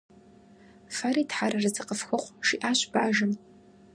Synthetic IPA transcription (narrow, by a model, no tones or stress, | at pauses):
fɐriːtħaɾɐrɨzɨqəfxɐχʷʂiʔaːɕbaːʒɨm